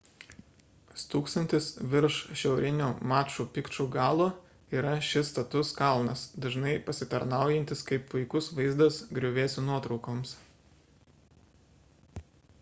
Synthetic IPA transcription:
st̪uːkst̪ɐnʲt̪ʲɪsʋʲɪɾʃʃʲɛʊɾʲɪnʲuːmɑːt͡ʃuːpʲɪkt͡ʃuɡɑːlˠoː | iːɾɐʃʲɪst̪ɐt̪ʊskɐlˠnɐsd̪ɐʒnɐɪpɐsʲɪt̪ɐɾnɑˑʊjɛnʲt̪ʲɪskɐɪppʊɪkʊsʋɐɪzd̪ɐsɡɾʲʊʋʲeːsʲunuɔt̪ɾɒʊkoːms

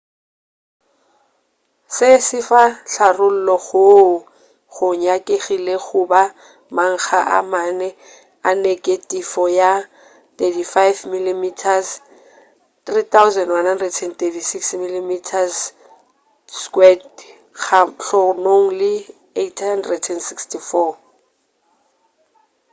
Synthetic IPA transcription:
sɪsɪfaɬarʊl̩lɔɣʊ | χʊɲakʼeχileɣʊba | maŋ̩χaʔa̰manɛ | anekʼetʼifɔja | t̪etifajvmilimitʰas | trit̪awʊzɛndwanhandrɛdʰɛnt̪etisiksmilimitʰas | skwɛd | χaɬɔnoŋlɪ | etʰhandrɛdʰɛnsikstifɔ

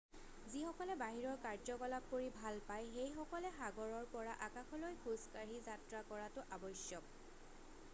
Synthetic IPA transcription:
zixɔkɔlɛbaɦiɹɔɹkaɹzɔkɔlab̚koɹibʱalpajxejxɔkɔlɛxaɡɔɹɔɹpɔɹaʔakaxɔlojxʰuskaɹizatɹakɔɹatʊʔabɔsjɔk̚

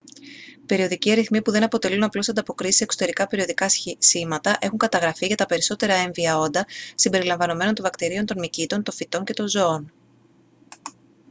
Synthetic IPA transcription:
pe̞ɾio̞ðiciɐɾiθmipuðe̞nɐpo̞t̪e̞lunɐplo̞sɐnd̪ɐpo̞kɾisi̥se̞kso̞t̪e̞ɾikɐpe̞ɾio̞ðikɐsimɐt̪ɐʔe̞xuŋkɐt̪ɐɣɾɐfiʝɐt̪ɐpe̞ɾiso̞t̪e̞ɾɐe̞ɱviɐo̞nd̪ɐsimbe̞ɾilɐɱvɐno̞me̞no̞nt̪o̞ɱvɐkt̪iɾio̞nt̪o̞nmicit̪o̞nt̪o̞fit̪o̞ɲce̞t̪o̞nzo̞on

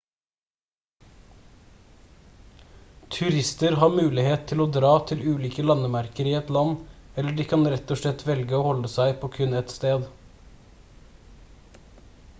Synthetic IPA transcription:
t̪ʰʉɾɪst̪əɾhɑːmʉːlɪheːt̪t̪ʰɪloːd̪ɾɑːt̪ʰɪlʉːliːkəlɑnəmæɾkəɾiːɛt̪lɑnɛləɖiːkʰɑnɾɛt̪ɔʃlɛt̪ʰʋɛlɡəoːhɔləsæɪpʰoːkʰʉnɛt̪st̪eːd̪

